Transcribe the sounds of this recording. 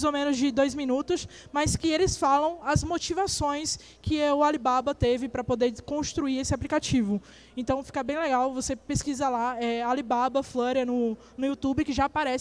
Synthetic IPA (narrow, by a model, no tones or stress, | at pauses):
zomẽnʊzd͡ʒɪd̪ojzmĩnut̪ʊs | majskɪelɪsfalɐ̃w̃ɐzmot͡ʃivasõj̃s | kʰɪʊalibabɐt̪evɪpɾɐpod̪eɾkõst̪ɾuiɾesɪaplikat͡ʃivʊ | ẽnt̪ɐ̃w̃fi̥kɐbẽj̃leɡawvosepeskizɐlaɛalibabɐfloɾiɐnʊ | nʊiut̪ubɪkɪʒapaɾɛs